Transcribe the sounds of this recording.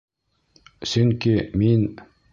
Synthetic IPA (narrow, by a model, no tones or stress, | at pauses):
sɵŋkʲimin